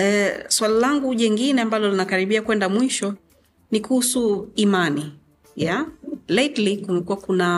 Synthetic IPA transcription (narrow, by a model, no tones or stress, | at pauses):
ɛswalalaŋɡuʄɛŋɡinɛambalɔlinakaɾiɓiakwɛndamwiʃɔ | nikuhusuimani | jaletlikumɛkuwakuna